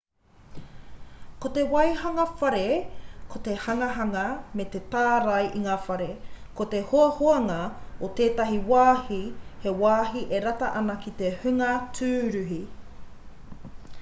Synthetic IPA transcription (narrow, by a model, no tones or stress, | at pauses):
kot̪ewɐjhɐŋɐfɐɾekʰot̪ehɐŋɐɦɐŋɐmet̪et̪aːɾɐjʔiŋaːfɐɾekot̪ehoɐhoɐŋɐot̪eːtɐɦiwaːhihe̞waːɦiʔeɾɐtɐʔɐnɐkit̪ehʉŋɐtʰʉːɾʉɦi